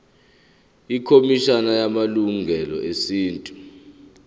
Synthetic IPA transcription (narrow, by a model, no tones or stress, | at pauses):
ikʰomiʃanajamaluŋʱɛlɔ̰esiːntʼu